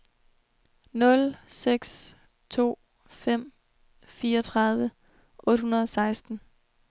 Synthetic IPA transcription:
nɔ̽lseɡ̥s | t͡sʰo̝̰ː | fem̰ | fiːɐɒt͡sʰʁɑ̈ð̞ˠʋə | ʔɔ̽ːd̥hunɐðˠɒ̽sɑ̈ɪsd̥n̩

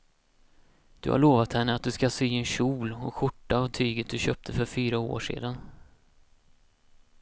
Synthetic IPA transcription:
d̪̥ɵ̰ha̰ɭoːvat̪hɛnːəat̪̚d̪ɵskasyːɛnɕuːlɔɧʊʈːaːvt̪ʰyːɡət̪̚d̪ɵɕœp̚t̪ʰəfœɾfyːɾao̰ːʂḛːd̪an

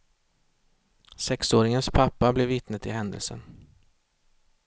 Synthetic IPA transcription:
sɛksoːɾɪŋənspʰapːablɛvːɪt̪nət̪ɪɦɛnd̪ə̰lsə̰n

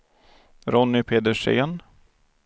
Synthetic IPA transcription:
ɾɔnːɪpʰeːd̪əʂḛːn

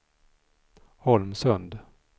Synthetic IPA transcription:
hɔlmsɵnd̪

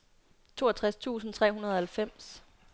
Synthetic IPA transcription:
t͡sʰo̝ːɐt͡sʰʁast͡sʰṵːsn̩t͡sʰʁɛ̰ːɦunɐðˠɐhælfem̰s

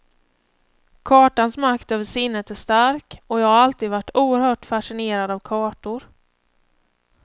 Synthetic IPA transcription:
kʰɑːʈansmakt̪øːvəʂɪnːət̪æʂt̪aɾkɔjaːɡaɾalt̪iːd̪vaʈːuːəɾhœːʈfaʂɪneːɾad̪avkʰɑːʈʊɾ

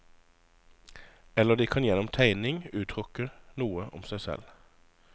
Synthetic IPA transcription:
ɛləd̪iːkʰɑnjɛnʊmt̪ʰæɪnɪŋʉːt̪ʰʁʊkənuːəʔʊ̰msæɪsɛ̰l

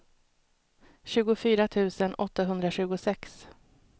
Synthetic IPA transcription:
ɕʉ̟ːɡʊfyːɾat̪ʰʉ̟ːsənʔɔt̪ːaɦɵnd̪ɾaɕʉ̟ːɡʊsɛks

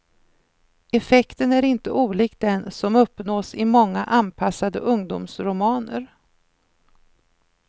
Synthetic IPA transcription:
ɛfɛkt̪ənæɾɪnt̪əʔuːliːk̪̚d̪ɛnsɔmɵpːnoːsɪmɔŋːaʔanpʰasːad̪ə̰ʔɵŋd̪ṵːmsɾʊmɑːnə̰ɾ

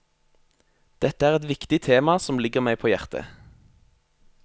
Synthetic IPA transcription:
d̪̥ɛt̪əæːʁɛt̪ʋɪkt̪ɪt̪ʰeːmɑsɔmlɪɡəʁmæɪpʰoːjæʁt̪ʰə̰

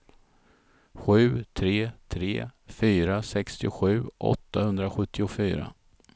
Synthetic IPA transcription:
ɧʉ̟ːt̪ʰɾeːt̪ʰɾḛːfyːɾasɛkst̪ɪɧʉ̟ːʔɔ̰t̪ːahɵnd̪ɾaɧɵt̪ːɪʊfyːɾa̰

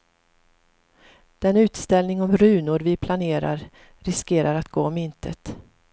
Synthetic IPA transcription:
d̪̥ɛnʉ̟ːt̪st̪ɛlnɪŋɔmɾʉ̟ːnʊɾvɪpʰlaneːɾa̰ɾ | ɾɪskeːɾʔaɾat̪ɡ̥oːɔmɪnt̪ʰə̰t̪

